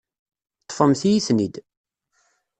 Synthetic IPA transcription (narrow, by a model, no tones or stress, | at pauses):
t̪ˤːfəmθijisnid̪